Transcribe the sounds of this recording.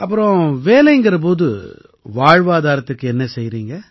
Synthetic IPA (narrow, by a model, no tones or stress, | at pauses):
ɐpːɯɾɔ̃ʋeːlɐjŋɡɪɾɐp̬oːðɯ | ʋaːɻʋaːðaːɾɐt̪ːɯkːɯɛnːɐsɛjːɾiːŋɡɐ